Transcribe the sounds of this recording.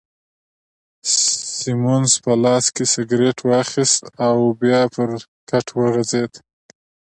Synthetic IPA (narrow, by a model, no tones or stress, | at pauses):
imunspəlɑskesɪɡɾeʈʰwɑaxist̪awbjɑpəɾ | kaʈʰwəɣazed̪